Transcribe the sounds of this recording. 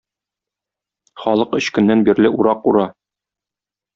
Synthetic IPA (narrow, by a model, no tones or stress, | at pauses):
χɒlˠɤqɵ̆ɕkɵ̆nːænbiɾlɘʔuɾɑquɾɑ